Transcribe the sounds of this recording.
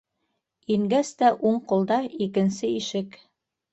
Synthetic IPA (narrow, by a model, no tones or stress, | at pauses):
iŋɡæst̪æʔuɴqŭlˠd̪ɑikɘ̆nsɘiʃɘk